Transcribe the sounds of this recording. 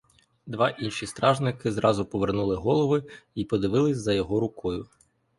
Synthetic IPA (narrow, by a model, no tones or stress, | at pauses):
d̪ʋɑʔinʃist̪ɾɑʒnɪkɪzɾʔɑzʊpɔʋernulˠɪɦɔlˠɔʋɪipɔd̪ɪʋɪlˠɪsʲzɐjɔɦɔɾʊkɔjʊ